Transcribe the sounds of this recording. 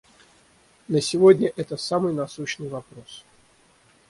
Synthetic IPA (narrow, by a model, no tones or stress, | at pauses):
nəsʲɪvodʲnʲəʔɛt̪əsamɨjnɐsuɕnɨjvɐpɾos